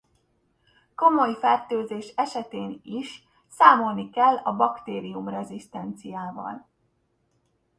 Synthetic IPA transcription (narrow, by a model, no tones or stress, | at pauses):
ko̞mo̞jfɛrt̪øːzeːʃɛʃɛt̪eːniʃ | saːmo̞lnikɛlːɒbɒkt̪eːɾijumrɛzist̪ɛnt̪sijaːvɒ̰l